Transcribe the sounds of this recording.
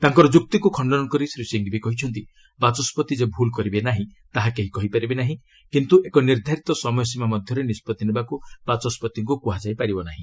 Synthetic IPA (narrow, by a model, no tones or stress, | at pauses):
t̪aŋkɔɾɔd͡ʒuk̚t̪ikukʰɔɳɖɔnɔŋkɔɾisɾiseŋɡibikɔɦit͡ʃʰɔnt̪i | bat͡ʃɔspɔt̪id͡ʒebʱulkɔɾibenaɦĩt̪aɦakeɦikɔɦipaɾibenaɦĩ | kint̪uʔekɔniɾd̪ʱaɾit̪ɔsɔmɔjɔsimamɔd̪ʱjɔɾenispɔt̪inibakub̥at͡ʃɔspɔt̪iŋkukuɦad͡ʒajpaɾibɔnaɦĩ